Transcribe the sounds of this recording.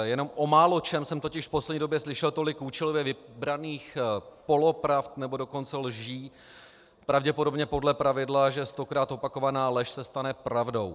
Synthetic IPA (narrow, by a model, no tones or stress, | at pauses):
jɛno̞mʔo̞maːlo̞t͡ʃɛmsɛmt̪o̞cɪʃfpo̞slɛdɲiːdo̞bjɛslɪʃɛlt̪o̞lɪkuːt͡ʃɛlovjɛvɪbɾaniːxpo̞lo̞pɾaft̪nɛbo̞do̞ko̞nt͡sɛlʒiː | pɾavɟɛpodo̞bɲɛpo̞dlɛpɾavɪdlaʒɛst̪o̞kɾaːt̪o̞pako̞vanaːlɛʃsɛst̪anɛpɾavdo̞w